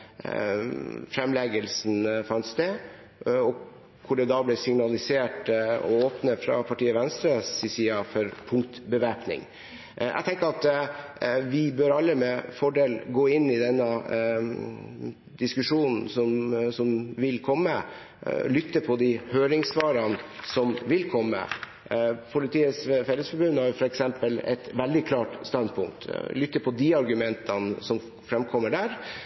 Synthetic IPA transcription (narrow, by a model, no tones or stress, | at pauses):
fɾɛmlɛɡəlsn̩fɑnsd̪ɛ | ɔ | kʰʊɖɛd̪ɑblɛsɪŋnɑlɪseːʈɔ̰oːpnəfɾɑ̰pʰɑʈiːəʋɛnst̪ɾəssɪsiːɑfɔɾpʰʊŋkt̪bəʋæːpnɪ̰ŋ | ʔæ̰ɡt̪ʰɛŋkəɾɑt̪ | ʋɪbøɾɑlːəmɛfɔɖeːlɡoːɪnːɪd̪ɛnːə | d̪ɪskʉʂuːnn̩sɔmsɔmʋɪlkʰɔmːə̰ | lʏt̪ːəpʰɔd̪ɪhøːɾɪŋsʋɑːɾɑnsɔmʋɪlkʰɔmːə̰ | pʰʊlɪt̪ʰiːəsfɛlːəsfɔɾbʉnhɑɾjʊfɔɾɛksɛmpəlɛ̰t̪ʋɛld̪ɪkʰlɑːʈst̪ɑnd̪̚pʰʊŋk̚t̪lʏt̪ːəpʰɔd̪iɑɾɡʉmɛnt̪ʰɑnsɔm | fɾɛmkʰɔmːəɖæɾ